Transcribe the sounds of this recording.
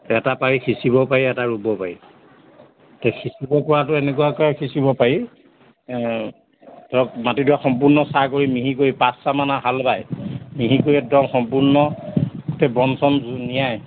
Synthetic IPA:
ɛtapaɹixʰisibɔpaɹiɛtaɹubɔpaɹi | tɛxʰisibɔpɔɹatʊɛnɛk̬uwakɔjkʰisibɔpaɹi | tɔɔkmatiduaxɔmpuɹnɔsakoɹimiɦikoɹipasːamanaɦalbajmiɦikoɹiɛdɔŋxɔmpunɔtɛbɔnsɔnzunijaj

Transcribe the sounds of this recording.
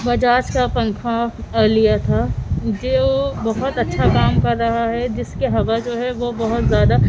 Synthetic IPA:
bɐd͡ʒaːt͡ʃkapɐ̃ŋkʰaɐːlijat̪ʰaːd͡ʒobɐɦʊt̪ɐtːʃʰakaːmkɐɾːɐɦaɦɛd͡ʒɪskeɦɐʋad͡ʒoːɦɛʋobɐɦʊt̪zjaːd̪a

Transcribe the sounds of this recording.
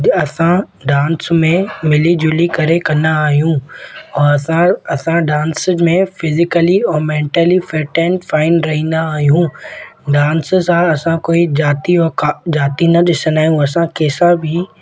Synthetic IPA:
ɐsã | ɖaːnsmẽmɪlid͡ʑʊlikɐɾekɐ̃nd̪aːɦijũɔːɐãɐsãɖãːnsmẽfɪzɪkəliɔːmẽːɳʈəlifɛːʈɛ̃ːnʈfaːɪnɾɐɦĩːn̆d̪aːɦijũɖaːnssãɐsãkoːid͡ʑaːt̪iɔːɾkad͡ʑaːt̪inɐɗɪsənaːɦijũɐsãkeːsãbʱɪ

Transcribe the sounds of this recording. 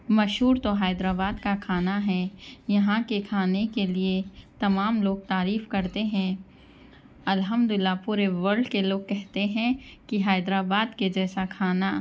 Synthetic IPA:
mɐʃɦuːɾt̪oɦaːɪd̪ɾaːbaːd̪kakʰaːnaɦɛːjɐɦãkekʰaːnekeliet̪ɐmaːmloːɡ̚t̪aːɾiːfkɐɾt̪eɦɛ̃ː | ɐlɦəmd̪ʊɪlːapuːɾeʋəɾɖkeloːɡ̚kɛɦt̪eɦɛ̃kiɦaːɪd̪ɾaːbaːd̪ked͡ʒɛːsakʰaːna

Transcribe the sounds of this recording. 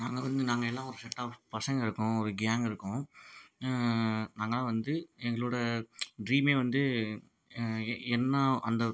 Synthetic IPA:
naːŋɡɐʋɐnd̪ɯnaːŋɡɐɛlːãːɔɾɯsɛʈːaːfpɐsɐŋɡɪɾɯkːʊ̃ɔɾɯɡjaːŋɡɪɾɯkːʊ̃ | naːŋɡɐlãːʋɐnd̪ɯɛŋɡɐɭoːɽɐɖɾiːmeːʋɐnd̪ɯ | ɛnːɐɐnd̪ɐ

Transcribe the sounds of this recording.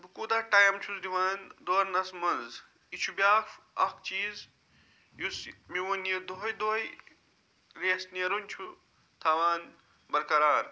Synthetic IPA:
bukuːd̪aːʈɐjɐmt͡ʃʰusd̪iʋaːnd̪oːɾnɐsmɐnz | it͡ʃʰubʲaːfɐkt͡ʃiːz | jusmiwonjɐd̪oɦɐjd̪oːj | ɾeːsniɐɾunʲt͡ʃʰu | t̪ʰaːʋaːn | bɐɾkɐɾaːɾ

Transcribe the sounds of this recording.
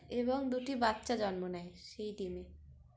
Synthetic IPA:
eβoŋd̪uʈibatːɕad͡ʑɔnmonɛeʃejɖime

